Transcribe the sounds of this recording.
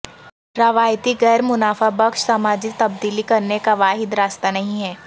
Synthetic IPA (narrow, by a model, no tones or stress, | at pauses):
ɾɐʋaːjt̪iɡɛːɾmʊnaːfabɐkʃsaːmaːd͡ʒit̪ɐb̚d̪iːlikɐɾnekaʋaːɦɪd̪ɾaːst̪anɐɦĩɦɛː